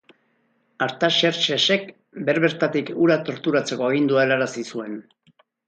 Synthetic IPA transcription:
aɾt̪aʃe̞ɾt͡ʃese̞k | be̞ɾβe̞ɾt̪at̪ikuɾat̪o̞ɾt̪uɾat͡se̞ko̞eɣ̞ind̪uaelaɾasisue̞n

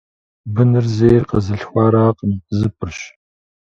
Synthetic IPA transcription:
bɨnɨrzeːjrqɐzɨɬxʷɑːɾaːqʼəmzɨpʰʼɨrɕ

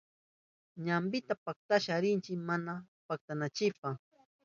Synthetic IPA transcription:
ɲambɪt̪apak̚t̪aʃaɾɪnt͡ʃɪkmana | pak̚t̪anat͡ʃɪpa

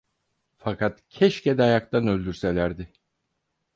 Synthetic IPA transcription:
fakʰat̪cʰɛʃced̪ɛajak̚t̪ʰanølʲd̪yɾselʲæɾd̪ɪ

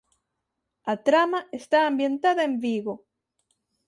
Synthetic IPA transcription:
at̪ɾamaest̪aːmbje̞nt̪aðaembiɣo

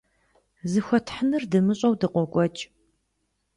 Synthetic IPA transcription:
zɨxʷɔtʰħənɨrdɨmɨɕʼɐwdɨqʷɔkʷʼɔt͡ʃʼ

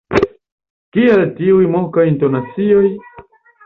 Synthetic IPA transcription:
kialtiujmokajntonat͡sio̞j

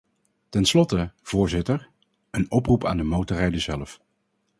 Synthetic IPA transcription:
tɛnslɔtəv̥ʊːɹzɪtəɹ | ənɔprupa̰ːndəmowtərɛjdəzɛləf

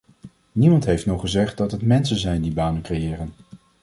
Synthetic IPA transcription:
nimɑntɦejftnɔχəzɛχt̚dɑtɦətmɛnsənzɛjndibaːnənkrejɪːrən

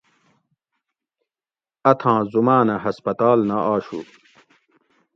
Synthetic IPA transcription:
ɐt̪ʰãːzumaːnɐɦɐspɐt̪aːlnaʔaːɕṵ

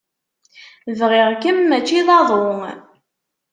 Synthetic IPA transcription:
vʁɪʁkəmːæt͡ʃːiðˤɑðˤo

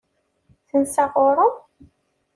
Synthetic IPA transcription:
θənsaʁoɾˤə

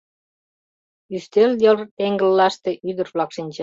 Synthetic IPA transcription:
yst̪eljort̪eŋɡə̆lːɑʃt̪eʔyd̪ə̆rβlɑkʃinʲt͡ɕ

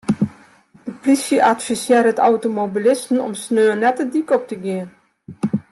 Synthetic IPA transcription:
dəplisjəʔatfisjɪːɾətawtomobilɪstn̩ɔ̰msnøːənɛtədikɔp̚təɡeːən

